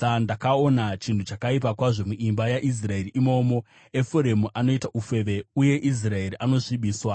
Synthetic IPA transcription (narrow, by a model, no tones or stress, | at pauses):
andakao̞nat͡ʃintut͡ʃakaip̬akwaʐo̞muʔimbajaʔis̬rae̞riʔimo̞mo̞ | efoɾemuʔano̞itaʔufe̞ʋe̞uje̞ʔis̬rae̞riʔano̞ʂiɓiːswa